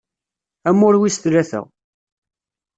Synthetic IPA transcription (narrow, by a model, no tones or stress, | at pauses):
æmːʊɾwist̪læθə̰ʁ